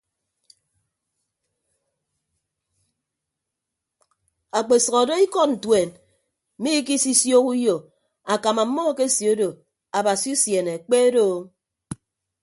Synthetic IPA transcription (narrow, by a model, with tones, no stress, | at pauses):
a˨k͡pe˨sɔ˨ɣɔ˨do˦i˦kɔ˦n̩˨twe˨n̩˦ | mi˦k̬i˦si˦sjo˦ku˦jo˨ | a˨ka˨ma˨˦mːɔ˦ke˦si˨o˦do˨ | a˨ba˨si˦u˦sje˨ne˨k͡pe˦do˦˨˦